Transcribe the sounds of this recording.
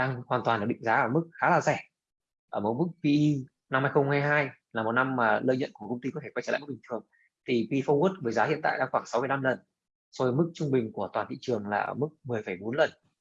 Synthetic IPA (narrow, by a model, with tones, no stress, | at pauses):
ɗaː˧ŋhwaː˨˩nt̪waː˨˩nla˨˩ɓḭ˧˨ŋ̟zaː˨˦ʔəː˧˩mɨ˦˥k̚xaː˨˦laː˨˩zɛ˧˩ | ʔəː˧˩mo˨˩t̚mɨ˦˥k̚vi˧ʔi˧ | na˧mhaː˧jxə˧ŋ͡mhaː˧jɦaː˧jlaː˨˩mo˨˩t̚na˧mːaː˨˩ləː˧jɲə̰˧˨nku˧˩əkə˧wŋ͡mt̪i˧kɔ˨˦t̪ʰe˧˩kwjt͡ɕə̰ː˧˩˨ɓi˨˩ŋt̪ʰɨ˨˩əŋ | t̪ʰi˨˩pi˧fɔ˧wu˦˥t̚vəː˨˦jzaː˨˦hḭ˧˨ənt̪a̰ː˧˨jɗaː˧ŋxwaː˧˩ŋsa˨˦wmɨ˧˦jla˧mlə˨˩n | sɔ˧˩mɨ˦˥k̚t͡ɕʊ˧ŋ͡mɓï˨˩ŋ̟ku˧˩ət̪waː˨˩nt̪ḭ˧˨t͡ɕɨ˨˩əŋlaː˨˩ʔəː˧˩mɨ˦˥k̚mɨ˨˩əjfə˧˩jɓo˨˦nlə˨˩n